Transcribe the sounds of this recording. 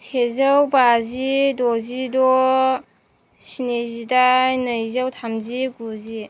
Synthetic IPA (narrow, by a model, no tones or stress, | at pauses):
tʰezəwbazidɔzidɔ | sinezidajnəjzəwtʰamziɡuzi